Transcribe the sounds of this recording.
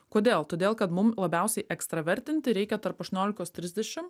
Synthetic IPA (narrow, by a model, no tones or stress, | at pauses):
koːd̪ʲeːlˠt̪oːd̪ʲeːlˠkɐt̪mʊmlˠɐbʲæˑʊsʲɛɪʔɛkst̪ɾɐʋʲɛɾʲt̪ʲɪnʲt̪ʲɪɾʲɛɪkʲɛt̪ɐɾpɐʃt̪ʊnʲoːlʲɪkoːst̪ʲɾʲɪzʲd̪ʲɛʃʲɪm